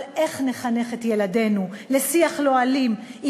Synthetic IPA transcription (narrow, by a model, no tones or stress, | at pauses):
leχneχaneχetjeladenulesiaχloalim